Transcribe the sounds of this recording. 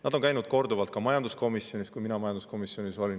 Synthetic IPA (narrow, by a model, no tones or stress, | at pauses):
nɑd̪o̞nkæjnud̪̥̚ko̞rd̪uvɑlt̪̚kɑmɑjɑnd̪usko̞misjo̞nʲist̪kujminɑmɑjɑnd̪usko̞misjo̞nʲiso̞lʲin